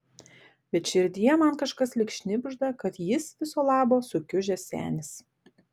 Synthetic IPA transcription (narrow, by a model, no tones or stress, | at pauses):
ʋʲɛt̪ʃʲɪɾʲd̪ʲɪjɛmɐnkɐʃkɐslʲɪkʃʲnʲɪbʲɪʒd̪ɐkɐt̪jɪsʋʲɪsoːlˠɑːboːsʊkʲʊʒʲɛsʲæ̰ːnʲɪs